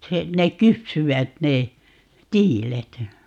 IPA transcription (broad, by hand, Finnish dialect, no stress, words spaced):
se nek kypsyʋæt ne tiːlet